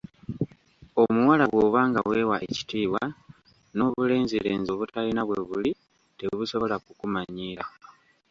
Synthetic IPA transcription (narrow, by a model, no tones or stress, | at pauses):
o̞muwalaβwoːβaːŋɡawe̞waʔeci̥tiːwa | no̞ːβule̞ːnziɾeːnzo̞βutalinaβwe̞βuli | teβuso̞βo̞lakukumaɲiːɾa